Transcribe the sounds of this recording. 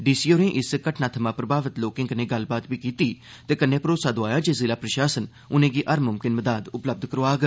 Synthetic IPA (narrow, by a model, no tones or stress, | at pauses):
ɖiːsiːoːɾẽːʔɪskəʈnaːt̪ʰəmãːpɾəbaːʋət̪loːkɪ̃ŋɡənẽːɡəlbaːt̪ʋiːkiːt̪iː | t̪eːkənːẽːpɾoːsaːd̪oaːjaːd͡ʒeːzɪlaːpɾəʃaːsən | ʊnẽːɡiːʔəɾmʊmkɪnməd̪aːd̪ʊpləb̚d̪kəɾaːɡ